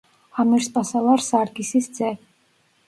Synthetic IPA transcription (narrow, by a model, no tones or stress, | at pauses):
amiɾspʼasalˠaɾsaɾɡisisd̪zɛ